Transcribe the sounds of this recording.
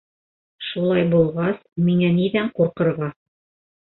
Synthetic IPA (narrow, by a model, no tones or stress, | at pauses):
ʃulˠɑjbulˠʁɑsmiŋæniðæɴquɾqɤ̆ɾʁɑ